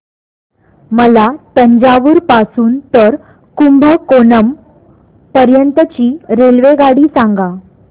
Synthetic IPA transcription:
məlat̪əɲd͡ʑaʋuːɾpasuːnt̪əɾ | kumbʱəkonəm | pəɾjənt̪ət͡ɕiːɾelʋeɡaɽiːsãŋɡa

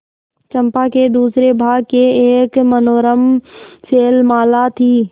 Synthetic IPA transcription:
t͡ʃə̃mpaked̪uːsɾebʱaːɡ̚keeːkmənoːɾəmseːlmaːlat̪ʰiː

